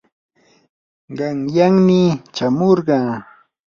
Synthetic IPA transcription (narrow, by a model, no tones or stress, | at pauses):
ɢɑŋjaŋmɪt͡ʃamoɾɢɑː